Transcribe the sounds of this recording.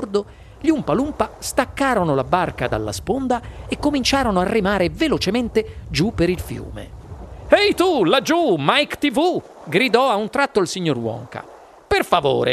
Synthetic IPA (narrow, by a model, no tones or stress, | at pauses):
d̪o | ʎiumpalumpast̪akːaːɾonolabarkad̪a̰lːa̰spond̪aekːomint͡ʃaːɾonoarːimaːɾevelot͡ʃement̪ed͡ʒupːeɾilfjṵːmḛɛjt̪ulad͡ʒumajkt̪ivu | ɡɾid̪ɔaunt̪ɾat̪ːoilsiɲːorwɔ̰ŋka̰ | perfavo̰ːɾḛ